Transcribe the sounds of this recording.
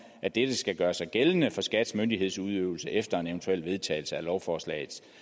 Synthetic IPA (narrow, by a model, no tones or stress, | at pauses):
æd̥ed̥əsɡ̥æɡ̥ɶːɐsɑ̈ɪɡ̥elənəfɒ̽sɡ̥æd̥smønd̥ihe̝ð̰ˠsuð̞ˠø̰ʊl̩səʔefd̥ɐe̝neʊnt͡sʰuel̰ʋe̝ð̞ˠt͡sʰɛ̰ɪl̩səælɒʊfɒːslɛ̰ːɪð̩ˠ